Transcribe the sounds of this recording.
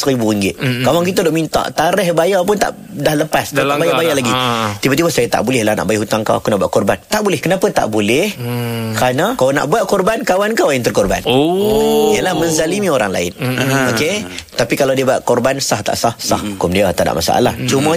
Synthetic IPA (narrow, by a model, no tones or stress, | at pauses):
səɾibuɾiŋɡɪt̪̚kawaŋk̬it̪ədʊʔmint̪a̰ʔt̪aɾɛhbajapʊnt̪a̰ʔ | dahləpask̪aabajabajalaɡit̪ibat̪ibasajat̪a̰ʔbulɪhlahna̰ʔbajaɦut̪aŋka̰wa̰kunaʔbua̰ʔ̚kɔrbant̪aʔbulɪhkənãpət̪a̰ʔbolɛhkɾanakaana̰ʔbuat̪̚kɔrbankawankawjaŋt̪ərkɔrba̰n | ijəlahmənzalimĩoɾaŋla̰ɪ̰noket̪apikalawdiəbaʔ̪̚kɔrbansaht̪a̰ʔsahsa̰hukʊmdiat̪ada̰ʔma̰sa̰ʔa̰la̰ht͡ʃumã